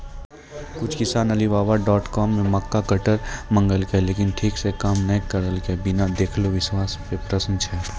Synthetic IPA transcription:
kʊt͡ʃʰkɪsaːnɐlibaːbaɖɔːʈkɔːmːẽmɐkːakɐʈəɾmɐ̃ŋɡəlkeleːkɪnʈʰiːksekaːmnɐkəɾəlkebɪnad̪eːkʰloʋɪʃwaːspepɾɐsənt͡ʃʰɛ

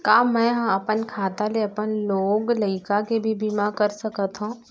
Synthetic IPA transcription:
kaːmɛ̃ːɦɐmɐpənkʰaːt̪aleɐpənloːɡləɪkakebʱibʱimakɐɾsɐkət̪ɦũː

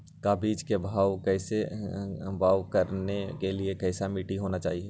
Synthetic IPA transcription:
kaːbiːd͡ʒkebʱaːwkɛːse | bʱaːwkɐɾnekeliekɛːsamiːʈiɦoːnat͡ʃa̰ːɦiɛː

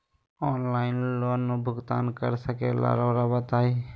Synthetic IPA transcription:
ɔːnlaːɪnloːnːũːbʱʊɡt̪a̰ːnkəɾsəkḛːla̰ːɾoːɾabət̪aːeː

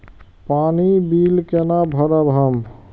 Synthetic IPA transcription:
panibilkenabʱəɾəbʱɦəm

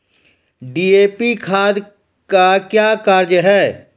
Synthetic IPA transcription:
ɖiːeːpikʰaːd̪ | kakjaːkaɾd͡ʒɦɛː

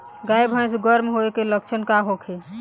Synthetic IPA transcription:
ɡajbʱãñsɡəɾmɦoekelək̚t͡ʃʰənkaɦokʰe

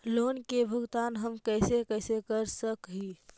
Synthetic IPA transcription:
loːnkebʱʊɡt̪aːnɦəmkɛɪsekəɪsekəɾsəkɦi

